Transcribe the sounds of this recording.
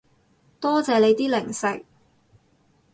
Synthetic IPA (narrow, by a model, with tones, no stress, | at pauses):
t̪ɔː˥t͡sɛː˨˧le˨˧jt̪iː˥lɪ˨˩ŋsɪ˨k̚